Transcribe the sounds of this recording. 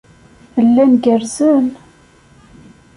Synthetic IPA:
əlːænɡəɾzən

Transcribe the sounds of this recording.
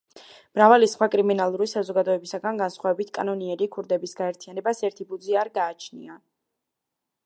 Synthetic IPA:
mɾavalisχwakʼɾiminalˠuɾisazɔɡad̪ɔɛbisaɡanɡansχwavɛbit̪ʰkʼanɔniɛɾikʰuɾd̪ɛbisɡaɛɾt̪ʰijanɛbasɛɾt̪ʰibud̪ziaɾɡaːt͡ʃʰnḭa

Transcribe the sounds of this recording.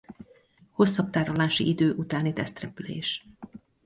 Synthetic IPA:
ho̞sːɒpt̪aːɾolaːʃḭʔid̪øːʔut̪aːnit̪ɛst̪rɛpylḛːʃ

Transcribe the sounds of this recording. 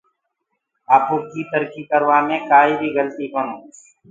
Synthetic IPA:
abʊkiːt̪əɾkiːkəɾwaːmẽːkaːiːbʱiːɡəlt̪iːkonoː

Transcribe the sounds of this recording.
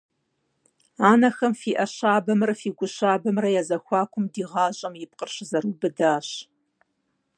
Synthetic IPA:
aːnɐxɐmfiːʔɐɕaːbɐmrɐfiːɡʷʊɕaːbɐmrɐjɛzɐxʷɑːkʷʰʊmdiːʁɑːʑʼɐmjɪp̚qərɕzɐɾuːbɨdaːɕ

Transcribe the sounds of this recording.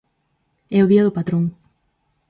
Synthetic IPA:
ɛʊðiɐðʊpat̪ɾoŋ

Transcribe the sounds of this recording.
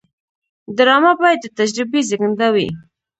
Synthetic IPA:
d̪əɾɑmabɑjad̪̚d̪ət̪ad͡ʒɾɪbezəɡənd̪awḭ

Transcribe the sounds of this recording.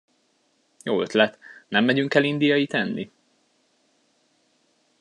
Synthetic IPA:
joːøt̪lɛt̪nɛmːɛɟyŋkɛlind̪ijɒjit̪ɛnːḭ

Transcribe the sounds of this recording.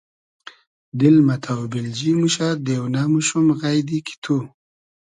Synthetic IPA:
d̪ɪlmat̪ʰawbɪld͡ʒimuʃad̪ewnamuʃumɣajd̪ikʰi̥t̪ʰu

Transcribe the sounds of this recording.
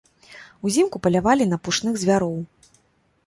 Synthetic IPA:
uzʲimkupɐlʲavalʲinɐpuʂnɨɣzʲvʲaɾɔw

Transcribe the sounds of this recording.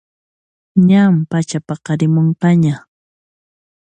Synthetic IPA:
ɲampat͡ʃapɑqɑɾɪmoɴqɑɲa

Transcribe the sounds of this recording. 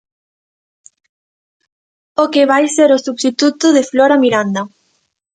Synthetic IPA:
okeβajseɾosust̪it̪ut̪ʊðefloɾamiɾand̪ɐ

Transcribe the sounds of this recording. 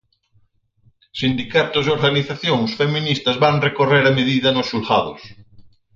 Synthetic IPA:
sind̪ikat̪ʊzeoɾɣaniθaθjoŋsfemĩnist̪ɐzβaŋrekoreɾameðiðɐnosʃulxaðʊ̰s

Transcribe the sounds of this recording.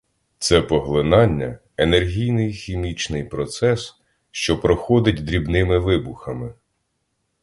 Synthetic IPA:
t̪sɛpɔɦlˠɪnɑnʲːɐ | enerɦʲijnɪjxʲimʲit͡ʃnɪjpɾɔt̪sɛs | ʃt͡ʃɔpɾɔxɔd̪ɪtʲd̪ɾʲibnɪmɪʋɪbʊxɐmɪ

